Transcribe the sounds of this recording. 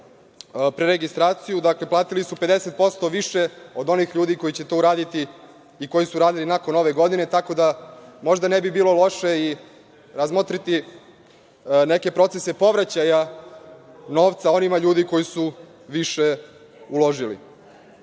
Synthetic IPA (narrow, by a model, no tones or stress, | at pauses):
pɾeɾeɡist̪ɾaːt̪sijud̪akle̞plˠaːt̪ilisupe̞d̪eset̪̚po̞st̪o̞ʋiʃe̞o̞d̪o̞nixʎuːd̪ikojit͡ɕe̞t̪o̞ːuɾaːd̪it̪i | iko̞jisuɾaːd̪ilinako̞no̞ʋe̞ɡo̞d̪ine̞t̪ako̞d̪amo̞ʒd̪anebibiːlo̞lˠo̞ʃe̞i | ɾazmot̪ɾit̪i | neke̞pɾo̞t̪sese̞po̞ʋɾat͡ɕaja | no̞ːʋt̪sao̞nimaʎuːd̪iko̞jisu | ʋiʃe̞ | ulo̞ʒilḭ